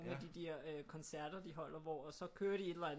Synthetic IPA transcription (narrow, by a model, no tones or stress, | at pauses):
nmed̥id̥eɐ̰økʰɒ̽nsæɐ̰d̥ɐd̥iɦɒ̽l̰ɐʋɒsɒ̽kʰøːɐɾ̥ie̝d̥læn